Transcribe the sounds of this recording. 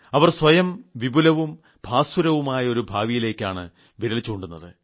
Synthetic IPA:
ɐʋɐrswɐjɐmʋibulɐʋum | bʱaːsuɾɐʋumaːjɐo̞ɾubʱaːʋijile̞ːkʲːaːɳɨ̰ | ʋiɾɐlit͡ɕːuoɳɖunːɐðɨ

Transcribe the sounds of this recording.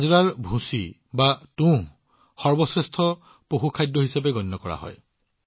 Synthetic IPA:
zɹaɹbʱũsi | batũ | xɔɹbɔsɹestʰɔ | poɦukʰajdɔɦisabeɡɔnːɔkɔɹa̰ɦɔ̰j

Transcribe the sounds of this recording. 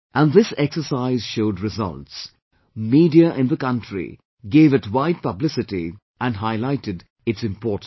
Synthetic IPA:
ʔæ̃nðɪsɛksəsaɪzʃoʊdɹɪzʌ̰lts | miːdiəʔɪ̃nðəkʌ̃ntɹḭ | ɡeːvɨtwaɪd̚pʌblɪsɨʈi | ʔæ̃nɦaɪlaɪtɨd | ɨtsɪ̃mpɔːt̩

